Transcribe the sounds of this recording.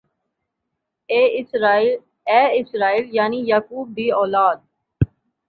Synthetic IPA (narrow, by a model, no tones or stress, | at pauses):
ɛːɪsɾaːiːljaːnijaːkuːb̚ːiːɔːlaːd̪̚